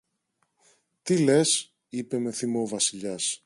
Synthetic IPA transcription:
t̪ile̞s | ipe̞me̞θimo̞vɐsiʎɐs

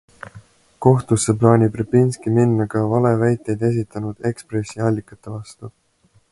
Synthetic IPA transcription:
ko̞ht̪usːeplɑːnʲibrepːinskiminːɑkɑvɑle̞væjt̪ːˑe̞jd̪̥e̞s̬it̪ːˑɑnud̪̥e̞kspre̞sːiɑlʲːikːˑɑt̪ːˑe̞vɑst̪u

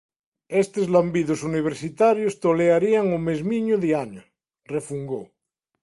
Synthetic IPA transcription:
est̪ezlambiðosuniβ̞eɾsit̪aɾjost̪oleaɾiaŋomezmiɲoðiaɲo | refuŋɡo

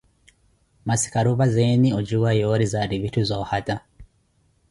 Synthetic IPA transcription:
masi̥kaɾuβazeniod͡ʒuwajoɾizaɾiβituzohata

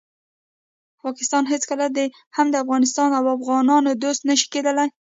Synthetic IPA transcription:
pɑkɪ̥st̪ɑnɦet͡skəlad̪e | hamd̪əafɣɑnɪs̬t̪ɑnawafɣɑnɑnod̪ost̪nəʃi̥ked̪əlaj

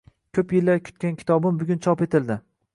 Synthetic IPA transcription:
kʲʰɵpjɪlːaɾkʰʲʊ̥t̪̚kʲankʲʰɪ̥t̪ʰɒbɪmbʊɡʲʊnt͡ʃʰɒpe̞t̪ʰɪld̪ɪ

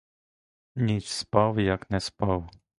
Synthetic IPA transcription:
ɲʲit͡sspawjaknɛspaw

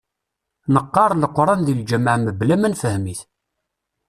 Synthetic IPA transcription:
nəqːɑɾˤləqːɾˤɑnðild͡ʒəmʕməblæmænfəhmiθ

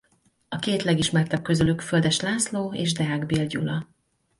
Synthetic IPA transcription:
ɒkeːt̪lɛɡiʃmɛrt̪ɛp̚kø̞zylykføld̪ɛʃlaːsloːḛːʒd̪ɛaːɡbilɟṵlɒ

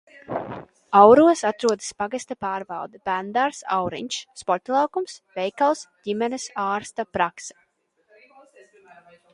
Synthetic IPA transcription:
awɾuɔsat̪ɾuɔd̪ɨ̥spaɡast̪apaːɾvɑ̰lˠd̪ab̥ænd̪aɾsa̰wɾḭɲʲʃːpɔɾt̪lˠɑwkumsvɛjkalˠsdʲimɛnɨsaːɾst̪apɾaksɛ̥

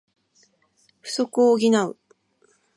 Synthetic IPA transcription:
ɸɯ̟̥so̞kɯoɡʲinaɯ̟

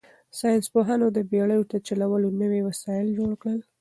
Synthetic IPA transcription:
sɑjɪnspoɦanod̪əbeɽəjot̪at͡ʃalawəlonəwewasɑjɪld͡ʒoɽkɽəl

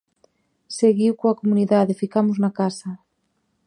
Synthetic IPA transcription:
seɣiwkoakomuniðaðefikamoznakasa

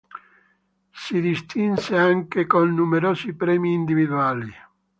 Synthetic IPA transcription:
sid̪ist̪inseaŋkekonːumeɾoːsipɾɛːmiːnd̪ivid̪uaːli

